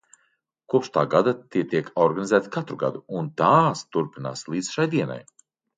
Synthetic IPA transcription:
kuɔpʃt̪aːɡad̪at̪iɛt̪iɛkʰɔɾɡanizæːt̪kat̪ɾuɡa̰d̪uunt̪aːst̪uɾpina̰ːslˠiːd̪zʃajd̪iɛna̰j

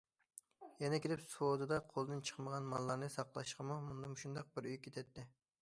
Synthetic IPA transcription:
jɛnɛkʲelɪpsuwod̪ɨd̪ɑqʰolˠd̪ɨnt͡ʃʰə̥χməʁɑnmɑlˠːɑɾnɨsɑqlˠɑ̰ʃqəmumund̪ɑmuʃund̪ɑq̚bɪɾyjkʲʰːet̪ʰɛt̪ʰːɪ

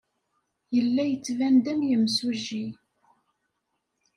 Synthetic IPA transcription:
jəlːæjət͡sːvænd̪æmjəmsuʒi

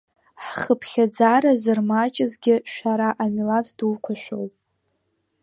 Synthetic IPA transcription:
ħχəpʰχʲad͡zaːɾazɨrmat͡ʃʼɪzɡʲɪʃʷᶣaɾaʔamilat͡sʰduwkʷʰaʃʷᶣo̰wpʼ

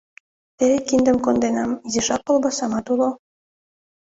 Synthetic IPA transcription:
t̪eɾekind̪ə̆mkond̪enɑmizeʃɑkːolˠbɑsɑmɑt̪ulo

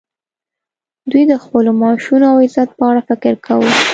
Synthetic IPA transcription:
d̪ujd̪əxpəlomɑʃunoawɪzat̪̚pəaɽafɪkɪɾkʰawə

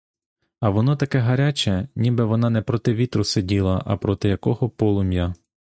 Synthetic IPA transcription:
ɐʋɔnɔt̪ɐkɛɦɐɾʲat͡ʃɛnʲibɛʋɔnɑnɛpɾɔt̪ɪʋʲit̪ɾʊsedʲilˠɐʔɐ̰pɾɔt̪ɪjɐkɔɦɔpɔlˠʊmʲja

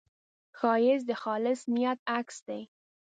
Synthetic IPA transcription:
xɑjɪzd̪əxɑlɪsmijat̪̚aksd̪ej

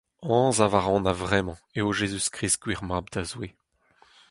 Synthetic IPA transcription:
ɑ̃ːzavaʁɑ̃navʁɛmɑ̃eoʒezyskχʁiskwiʁmab̚d̪azwe

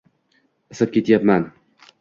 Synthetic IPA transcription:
ɪsɪp̚kʲet̪japman

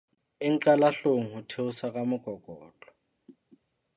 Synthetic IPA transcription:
ɪŋ̩ǀalaɬoŋ̩hʊtʰeʊsakʼamʊɡ̥ʱɔɡ̥ʱɔːt͡ɬʼɔ̥

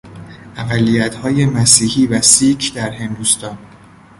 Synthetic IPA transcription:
ʔæɢælːijæt̪hɒːje̞mæsiːhiːvæsiːd͡ʒd̪æɾɦe̞nd̪ust̪ɒːn

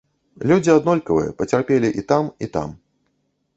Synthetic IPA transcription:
lʲud͡zʲiad̪nɔlʲkɐvɨjɛ̰pɐt͡sʲarpʲelʲiʔit̪amit̪a̰m

